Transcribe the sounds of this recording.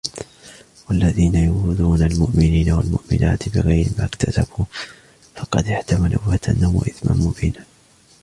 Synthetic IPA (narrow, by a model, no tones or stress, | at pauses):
walːaðiːnajʊʊd̪uːnalmʊʔmɪniːnawalmʊ̰ʔmɪ̰na̰ːt̪bɪɣajɾɪmaːkt̪ʰasabuː | fɑqɑd̪ɪħt̪amalʔʊ̰wat̪ʰanːʊmwa̰ʔɪθma̰nmʊbiːna